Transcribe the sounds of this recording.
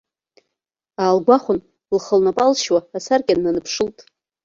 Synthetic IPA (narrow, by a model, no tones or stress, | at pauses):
aːlɡʷaχʷʊn | lχəlnapʼalʃwaːsarɡʲʼanːanɨpʰʂɨltʼ